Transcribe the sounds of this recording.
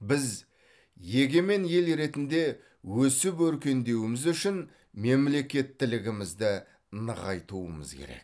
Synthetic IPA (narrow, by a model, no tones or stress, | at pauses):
bɪz | je̞ɡʲe̞me̞nje̞lɾe̞t̪ɪnd̪e̞ | wɵsɪpwɵɾkʲe̞nd̪e̞wɪmɪzʏʃɪn | me̞mle̞kʲe̞t̪ːɪlɪɡʲɪmɪzd̪ɪ | nəʁɑjt̪uwə̰mə̰zkʲʰḛɾḛk̚